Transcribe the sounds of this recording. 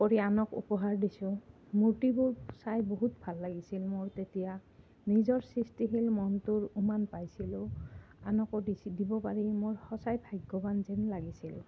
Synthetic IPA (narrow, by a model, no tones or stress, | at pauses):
kɔɹianɔkṵpɔɦaɹdisʊ̃ | mutibʊɹsajboɦutbʱalːaɡisilmoɹtetija | nizɔɹsɹistiɦilmɔntʊɹumanpajsilʊ̃anɔkɔdisidibɔpaɹimoɹhɔsajbʱajɡɔbanzɛnlaɡisil